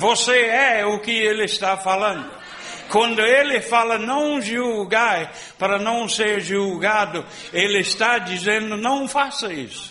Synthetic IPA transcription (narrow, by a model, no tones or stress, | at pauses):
voseɛʊkɪelɪst̪afalɐ̃nd̪ʊ | kwɐ̃nd̪ʊelɪfalɐnɐ̃w̃ʒuɡaɾ | paɾɐnɐ̃w̃seɾʒuɡad̪ʊ | elɪɪst̪ad͡ʒ̪izẽnd̪ʊnɐ̃w̃fasɐisʊ̥